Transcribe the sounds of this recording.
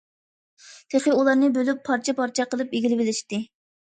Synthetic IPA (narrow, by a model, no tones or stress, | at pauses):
t̪ʰeχəulˠɑɾnɨbølypʰːɑɾt͡ʃʰɛpʰɑɾt͡ʃʰɛqəlˠɨpeɡʲilɪbɪlɪʃt̪ɪ